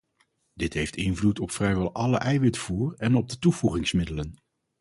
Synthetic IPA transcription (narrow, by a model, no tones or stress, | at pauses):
d̥ɪtɦejftɪnvlutɔpfrɛjʋɛlˠʔɑləʔɛjʋɪtfuːrɛnɔb̚dətuv̥uχɪŋsmɪdələn